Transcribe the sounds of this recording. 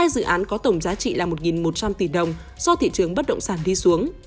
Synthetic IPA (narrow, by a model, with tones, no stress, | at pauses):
aː˧jzɨ̰˧˨ʔaː˨˦nkɔ˨˦t̪ə˧˩wŋ͡mzaː˨˦t͡ɕḭ˧˨laː˨˩mo˨˩t̚ŋi˨˩nmo˨˩t̚t͡ɕa˧mt̪i˧˩ɗə˨˩wŋ͡m | sɔ˧t̪ʰḭ˧˨t͡ɕɨ˨˩əŋɓə˦˥t̚ɗə̰˧˨wŋ͡msaː˧˩nɗi˧su˨˦əŋ